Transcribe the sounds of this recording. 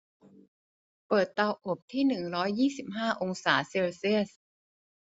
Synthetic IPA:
pɤː˨˩t̪ːa˧wʔo˨˩p̚t̪ʰiː˥˩nɯ˨˩ŋɾɔː˦˥jːiː˥˩si˨˩p̚ɦaː˥˩ʔo˧ŋsaː˩˦se˧wsi˥˩əs

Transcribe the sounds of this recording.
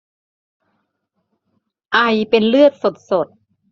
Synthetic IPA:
ʔa˧jpe˧nlɯ˥˩ət̪̚so˨˩t̪̚so˨˩t̪̚

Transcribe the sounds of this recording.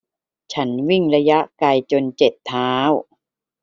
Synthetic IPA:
t͡ɕʰa˦˥nwi˥˩ŋɾa˧ja˦˥ʔka˧jt͡ɕo˧nt͡ɕe˨˩t̪ʰːaː˦˥w

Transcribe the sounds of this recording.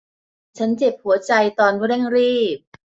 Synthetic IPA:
t͡ɕʰa˦˥nt͡ɕe˨˩p̚hu˩˦ɐt͡ɕa˧jt̪ɔː˧n˦˥ɾɛ˥˩ŋɾiː˥˩p̚

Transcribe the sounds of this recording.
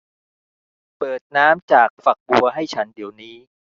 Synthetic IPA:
pɤː˨˩t̪̚naː˦˥mt͡ɕaː˨˩k̚fa˨˩k̚bu˧ɐɦa˥˩jt͡ɕʰa˦˥ndi˨˩˦əwniː˦˥

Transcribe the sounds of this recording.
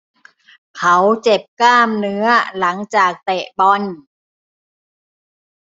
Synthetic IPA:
kʰa˨˦wt͡ɕe˨˩p̚kaː˥˩mnɯ˧˦˥ɐla˩˦ŋt͡ɕaː˨˩k̚t̪ɛ˨˩ʔbɔ˧n

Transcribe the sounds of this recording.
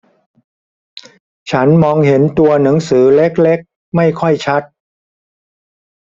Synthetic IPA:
t͡ɕʰa˦˥nmɔː˧ŋɦe˩˦nt̪u˧ɐna˩˦ŋsɯː˩˦le˦˥k̚le˦˥k̚ | ma˥˩jkʰɔ˥˩jt͡ɕʰa˦˥t̪̚

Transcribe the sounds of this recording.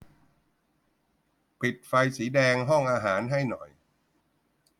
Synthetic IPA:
pʰi˨˩t̪̚fa˧jsiː˩˦dɛː˧ŋɦɔ˥˩ŋʔaː˧ɦaː˩˦nɦa˥˩jnɔ˨˩j

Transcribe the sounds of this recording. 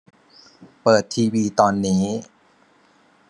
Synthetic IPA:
pɤː˨˩t̪ʰːiː˧wiː˧t̪ɔː˧nːiː˦˥

